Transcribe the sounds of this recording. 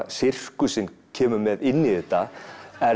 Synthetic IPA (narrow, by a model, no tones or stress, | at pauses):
sɪr̥kʏsɪnːcʰɛːmʏmɛðɪnːiðɛht̪ːaɛ